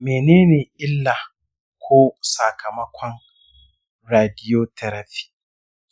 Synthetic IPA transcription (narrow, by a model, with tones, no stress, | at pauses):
meː˨neː˦neː˨ʔɪ˦lːaː˨ | kʷʰoː˦sa˨kʰɐ˨mɐ˦kʷɔ˦n | ɾaː˨dɪ˦joː˦tʰɐ˦ɾɐ˨ɸi̥ː˦